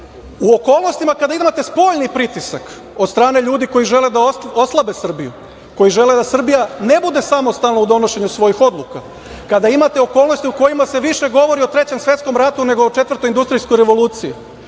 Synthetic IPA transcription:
uoko̞ːlˠno̞st̪imakad̪aimat̪e̞spo̞ʎnipɾit̪isak | od̪st̪ɾaːne̞ʎuːd̪iko̞jiʒe̞led̪ao̞slˠabe̞sr̩bijṵ | ko̞jiʒe̞le̞d̪asr̩bijane̞bud̪e̞samo̞st̪alˠnoud̪o̞no̞ʃe̞ɲusʋo̞jixo̞d̪lˠuka | kad̪aimat̪e̞o̞ko̞ːlˠnost̪iuko̞jimase̞ʋiʃe̞ɡo̞ʋo̞ɾiot̪ɾe̞t͡ɕe̞msʋje̞t̪sko̞mɾat̪une̞ɡoot͡ʃet̪ʋəɾ̩rt̪o̞jind̪ust̪ɾijskojɾe̞ʋo̞lˠuːt̪sije

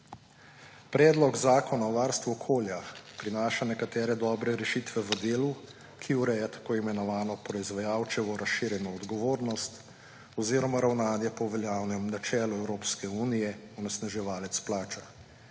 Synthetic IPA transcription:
pɾɛːd̪lɔɡzaːkɔnaɔʋaːɾst̪ʋuɔkʰoːljapɾinaːʃanɛkat̪ɛːɾɛd̪ɔːbɾɛɾɛʃiːt̪ʋɛʋəd̪eːlu | kʰiuɾɛjat̪ḁkoːimɛnɔʋaːnɔpɾɔizʋajaːwt͡ʃɛʋɔɾasʃiɾjɛnɔːd̪ɡɔʋoːɾnɔst̪ | ɔziːɾɔmaɾawnaːd̪jɛpɔʋɛljaːwnɛmnat͡ʃɛːlɔɛwɾoːpskɛuːnijɛɔnɛsnaʒɛʋaːlɛt̪splaːt͡ʃa

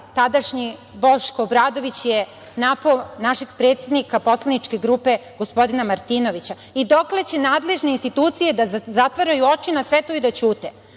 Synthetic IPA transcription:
t̪ad̪aʃɲi | bo̞ʃkoːbɾaːd̪o̞ʋit͡ɕje | naponaʃeɡpɾe̞ːt̪sed̪nikapo̞slˠanit͡ʃke̞ɡɾuːpe̞ɡ̥o̞spo̞d̪inamaɾt̪inoʋit͡ɕa | id̪o̞kle̞t͡ɕe̞naːd̪le̞ʒne̞inst̪it̪uːt̪sije̞d̪azat̪ʋaɾajuo̞t͡ʃinasʋe̞t̪oid̪at͡ɕuːt̪e

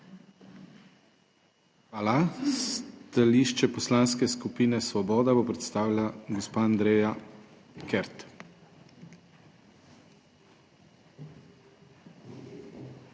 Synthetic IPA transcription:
xʋaːlast̪aliʃt͡ʃɛpɔslaːns̬kɛskupiːnɛsʋɔbɔːd̪abɔpɾɛt̪st̪aːwlʲaɡɔspaand̪ɾeːja | kɛɾt̪

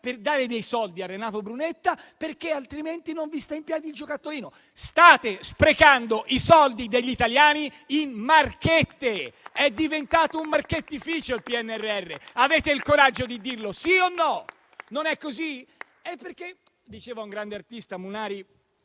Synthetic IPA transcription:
perd̪aːɾed̪ejsɔld̪iarːenaːt̪obɾunet̪ːa | perkealt̪ɾiment̪inoɱvist̪aimpjɛːd̪ild͡ʒokat̪ːoɾiːno | st̪aːt̪espɾekand̪oʔisɔld̪id̪eʎːit̪aljaːni | inmarket̪ːeɛd̪ːivent̪aːt̪oumːarket̪ːifiːt͡ʃoilpiɛnːeɛrːeɛrːeaveːt̪eilkoɾad͡ʒːod̪id̪irlosionːɔ | nonɛkːozi | epːerke | d̪it͡ʃeːvauŋɡɾand̪eart̪ist̪amunaːɾi

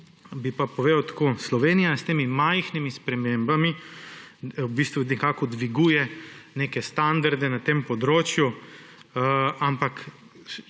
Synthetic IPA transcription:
bipapɔʋeːwt̪ḁkoslɔʋeːnijast̪eːmimajxnimispɾɛmembami | bist̪ʋunɛkaːkɔd̪ʋiɡuːjɛneːkɛst̪and̪aɾd̪ɛnat̪eːmpɔd̪ɾoːt͡ʃju | ampak

